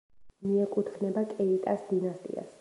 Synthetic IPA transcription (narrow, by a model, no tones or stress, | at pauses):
miɛkʼut̪ʰχnɛbakʼɛit̪ʼasd̪inast̪ʼḭa̰s